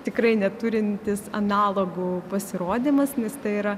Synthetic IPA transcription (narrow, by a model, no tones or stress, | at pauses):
t̪ʲɪkɾɐɪnʲɛt̪uɾʲɪnʲt̪ʲɪsɐ̰nɑːlˠoːɡupɐsʲɪɾoːd̪ʲimɐsnʲɛst̪ɐɪiːɾɐ